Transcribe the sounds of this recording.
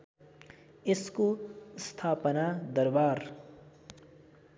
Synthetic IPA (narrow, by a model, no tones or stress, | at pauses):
eskost̪ʰaːpənad̪əɾbaːɾ